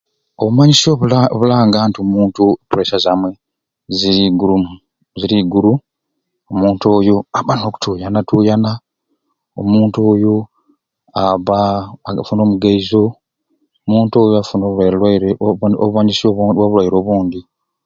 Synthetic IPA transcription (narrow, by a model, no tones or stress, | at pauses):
oβumaɲisioβulaːŋɡaːntiomuːntuepuɾesazamwe̞ | ziɾiɡuɾumu | ziɾiɡuɾu | omuːnto̞ːjoaβano̞ːku̥tʰuːjanatuːjana | o̰muːntoːjo | aβafuno̞ːmuɡaizo̞ | omuːnto̞ːjoafuno | oβumaɲisiowaβulwajiɾo̞ːβuːnd̪i